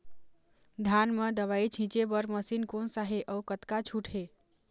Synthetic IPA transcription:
d̪ʱanmed̪əʋajt͡ʃʰĩt͡ʃebəɾməsinkonsaɦeʔəukət̪kat͡ʃʰuʈʰɦe

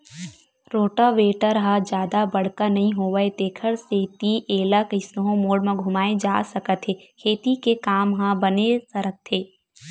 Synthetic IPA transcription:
ɾoːʈəʋeːʈəɾɦãd͡ʒjaːd̪abɐɽ̤kanɐɦĩɦoːʋəet̪eːkʰəɾset̪iʔeːlakɪsnəɦõmoːɽmẽɡʱʊmaːed͡ʒaːsɐkət̪ɦeːkʰeːt̪ikekaːmɦãbɐnesəɾəkt̪ʰːeː

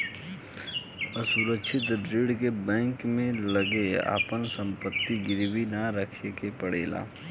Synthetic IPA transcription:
əsuɾəkʃʰɪt̪ɾeːɽkebɛ̃ːŋkmẽləɡea̰ːpənsə̃mpət̪ːiɡɪɾwinaɾəkʰekepəɽḛːla̰ː

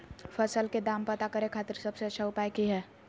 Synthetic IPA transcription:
fʰəsəlked̪aːmpət̪akəɾekʰaːt̪ɪɾsəbseət͡ʃʰaʊpaːjkiɦɛː

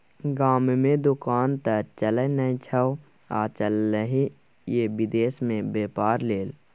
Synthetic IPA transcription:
ɡaːmmẽd̪ʊkaːnt̪ət͡ʃələnəĩt͡ʃʰəw | a̰ːt͡ʃəlːəɦi | jebɪd̪eːsmẽbeːpaːɾleːl

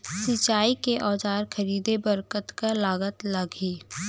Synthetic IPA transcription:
sɪt͡ʃaːikeʔɔːd͡ʒaːɾkʰəɾiːd̪ebəɾkət̪kalaːɡət̪lɐɡiː

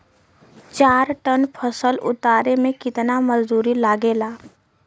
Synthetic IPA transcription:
t͡ʃaːɾʈənpʰəsəlʊ̰t̪aːɾemẽkɪt̪namɐzd̪uːɾilaːɡeːlaː

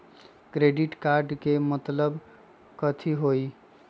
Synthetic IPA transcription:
kɾeɖiʈkaɾɖkemət̪ləb | kət̪ʰiɦoj

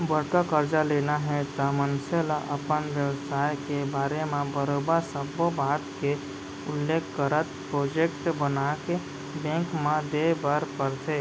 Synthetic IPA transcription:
bəɽkakəɾd͡ʒaleːnaɦɛt̪əmənselaʔəpənʋjəʋsaːjkebaːɾemẽbəɾobəsəbobaːʈ̪ke | ʊlːeːkʰːkəɾət̪pɾoːd͡ʒekʈbənake | bẽkmãd̪ebəɾpəɾt̪e

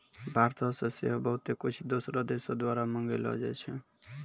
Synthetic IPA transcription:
bʱaɾt̪ɔsɔ̃sḛɦobʌɦut̪ekut͡ʃʰid̪osɾɔd̪esod̪waɾamʌŋɡelɔ̰d͡ʒɛ̰t͡ʃʰɛ

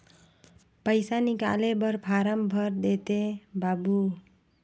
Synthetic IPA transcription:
pʌjsanika̰lebʌɾpʰaɾʌmbʱʌɾd̪et̪ebabu

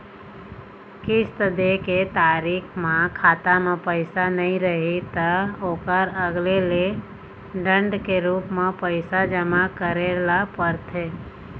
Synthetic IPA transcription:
kɪst̪əd̪eket̪aːɾiːkʰmẽkʰaːt̪amẽpəɪsanəɦĩɾəɦit̪əoːkəɾəɡlele | ɖə̃ɳɖkeɾuːpmẽpəɪsad͡ʒəmakəɾelapəɾt̪ʰeː

